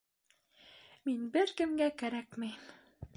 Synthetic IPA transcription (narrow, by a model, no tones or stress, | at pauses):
minbɘɾkɘ̆mɡækæɾækmɘ